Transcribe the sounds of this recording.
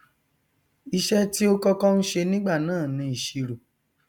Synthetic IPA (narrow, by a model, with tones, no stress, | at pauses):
i˧ʃɛ˦ti˦o˦kɔ˧kɔ˦n̩˦ʃe˧nĩ˦ɡ͡ba˦˨nãː˦˨nĩ˧˦i˨ʃi˧ɾu˨